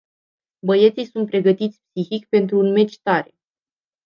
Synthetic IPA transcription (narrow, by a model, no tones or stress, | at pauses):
bəje̞t̪sijsunt̪̚pɾe̞ɡət̪it̪sʲpsixikpe̞nt̪ɾuːnme̞t͡ʃt̪aɾe̞